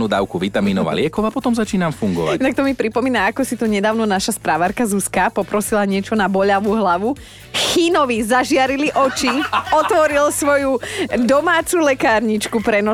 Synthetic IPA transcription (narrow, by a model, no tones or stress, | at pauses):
nuːd̪a̰ʊkuʋit̪amiːnɔʋa̰lɪɛkɔʊapɔt̪ɔmzat͡ʃiːnamfuŋɡɔ̰ʋajɛnak̚t̪ɔmipɾipɔmiːnaakɔsit̪ɔɲɛd̪aːʊnɔnaʃaspɾaʋaɾkazuskapɔpɾɔsilaɲɪɛt͡ʃɔnabɔʎaʋuɦlaʋu | xiːnɔʋizaʒɪaɾiliʔɔt͡ʃiɔt̪ʋɔɾilsʋɔjud̪ɔmaːt͡sulɛkaːɾɲit͡ʃkupɾɛnɔ